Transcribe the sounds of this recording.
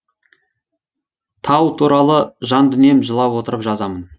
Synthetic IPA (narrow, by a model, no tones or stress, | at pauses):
t̪ʰɑwt̪ʰuɾɑlˠəʒɑnd̪ʏne̞mʒəlˠɑwwo̞t̪əɾəpʒɑzɑmən